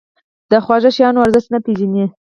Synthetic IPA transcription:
d̪əxwɑʒaʃjɑnoaɾzəʃt̪napizini

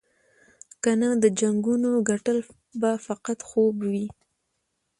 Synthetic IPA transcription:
kanad̪əd͡ʒaŋɡunoɡaʈəl | bafaqat̪xobwi

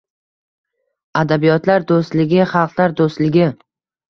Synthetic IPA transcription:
ad̪abijɒt̪laɾd̪ost̪lɪɡʲɪχɑlˠqlˠaɾd̪ost̪lɪɡʲɪ

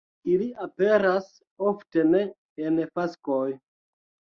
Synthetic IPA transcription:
iliape̞ɾas | ofte̞ne̞ː | nfaskoj

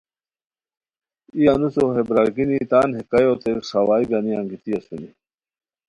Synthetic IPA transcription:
ijanusoɦebɾalɡinit̪aːnɦekajoːt̪eʂawaːiɡaniaŋɡit̪iɐsuni

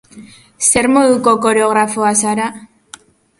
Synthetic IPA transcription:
se̞ɾmo̞ðuko̞ko̞ɾeo̞ɣ̞ɾafoasaɾa

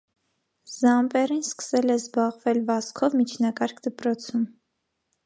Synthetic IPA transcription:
zɑmpɛrinskə̥sɛlɛzbɑʁvɛlvɑskʰɔvmit͡ʃʰnɑkɑɾkʰd̪əpɾɔt͡sʰum

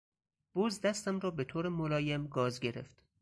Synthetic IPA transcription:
b̥ozd̪æst̪æmɾɒːbet̪ʰoːɾemolɒːjemɡɒːzɟeɾḛft̪

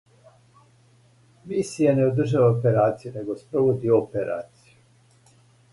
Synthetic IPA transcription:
misijeneod̪r̩ʒaaopeɾaːt̪sijune̞ɡospɾoʋod̪iopeɾʔa̰ːt̪siju

